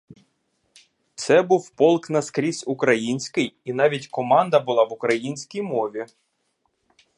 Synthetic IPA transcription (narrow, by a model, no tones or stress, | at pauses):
t̪sɛbuwpɔlˠknɐskɾʲisʲʊkɾɐjinʲsʲkɪjinɑʋʲitʲkɔmɑnd̪ɐbʊlˠɑʋʊkɾɐjinʲsʲkijmɔʋʲi